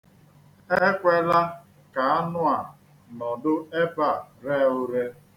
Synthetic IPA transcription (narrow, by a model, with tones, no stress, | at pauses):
e˦kʷe˦la˦ | ka˨a˦nʊ˦a˨ | nɔ˨dʊ˦e˦pa˨ɾe˦ʊ˦ɾe˦